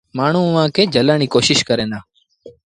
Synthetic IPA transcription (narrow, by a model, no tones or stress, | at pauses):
maːɳ̤ũːʋãːkeːd͡ʒəlaːɳ̃iːkoːʃɪʃkəɾeːnaː